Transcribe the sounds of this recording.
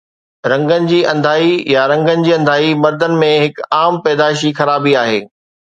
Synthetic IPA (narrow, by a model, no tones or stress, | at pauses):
ɾɐ̃ŋɡənɪ̆d͡ʑiːʔɐ̃nd̪ʱaːijaɾɐ̃ŋɡənɪ̆d͡ʑiːɐ̃nd̪ʱaːimɐɾd̪ənɪ̆mẽɦɪkaːmpɛːd̪aːɪʃ̬ixɐɾaːbiaːɦḛː